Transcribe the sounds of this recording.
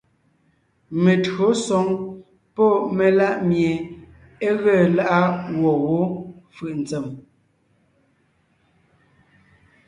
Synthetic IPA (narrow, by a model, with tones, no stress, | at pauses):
me˨tɰo˨˦sɔ˨˦ŋ | pɔ˦˨me˨la˦ʔmje˨ | e˦ɣɛ˦˨la˦˨ʔa˦wɔ˨wo˦fɯ˨ʔn̩˨t͡sɛ˨m